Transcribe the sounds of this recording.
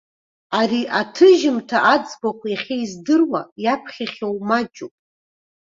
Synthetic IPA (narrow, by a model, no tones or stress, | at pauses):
aɾiʔatʰɨʒɪmtʰaʔad͡zbakʷʰaiχʲeizdɨrwajapʰχʲaχʲowmad͡ʒʼupʼ